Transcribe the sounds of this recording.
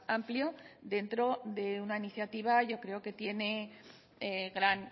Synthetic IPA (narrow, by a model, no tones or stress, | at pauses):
ampljo̞ðe̞nt̪ɾo̞ðe̞unainiθjat̪iβ̞aʝo̞kɾe̞o̞ke̞t̪je̞ne̞ | eɣɾan